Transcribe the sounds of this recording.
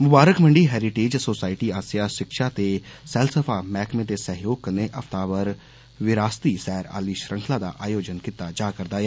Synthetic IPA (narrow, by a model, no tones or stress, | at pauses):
mʊbaːɾəkməɳɖiːɦɛːɾɪʈeːd͡ʒsoːsaːɪʈiːaːsijaːʃɪkʃaːt̪eːsɛːlsəpʰaːmɛːkʰmẽːt̪eːsəɦjoːɡ̚kəneːʔəft̪aːʋəɾ | ʋɪɾaːst̪iːsɛːɾa̰ːliːʃɾə̃ŋkʰlaːd̪a̰ːʔaːjoːd͡ʒənkɪt̪ːaːd͡ʒaːkəɾd̪aːɛː